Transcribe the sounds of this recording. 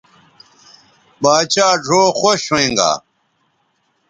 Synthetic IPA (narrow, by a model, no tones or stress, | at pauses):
baːt͡ɕaːʈ͡ʂoːxoɕwẽŋɡa̰ː